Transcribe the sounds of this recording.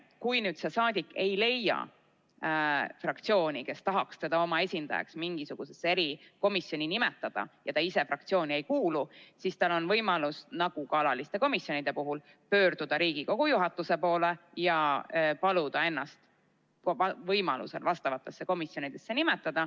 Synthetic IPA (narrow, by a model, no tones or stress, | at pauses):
kujnyːd̪se̞sɑːd̪ikːˑe̞jle̞jɑ̰ | frɑkt̪sio̞ːnʲike̞st̪ɑɦɑkst̪e̞d̪̥ɑo̞mɑe̞sʲind̪̥ɑjɑ̰ksmiŋɡ̥isuɡ̥use̞sːe̞ɾiko̞misjo̞nʲinimet̪ːˑɑd̪̥ɑ̰jɑt̪ɑise̞frɑk̚t̪sio̞ːnʲie̞jkuːlusist̪ɑlo̞nvɤ̞jmɑlusnɑɡ̥ukɑlɑlist̪e̞ko̞misjo̞nid̪̥e̞puɦul | pø̞ːɾd̪̥ud̪̥ɑɾiːɡ̥iko̞ɡ̥ujuɦɑt̪ːˑuse̞po̞ːle̞jɑpɑlud̪̥ɑe̞nːɑst̪ | oɑvɤjmɑlṵse̞̰lvɑst̪ɑvɑt̪ˑːe̞sːe̞ko̞misjo̞nid̪̥e̞sːe̞nimet̪ːˑɑd̪̥ɑ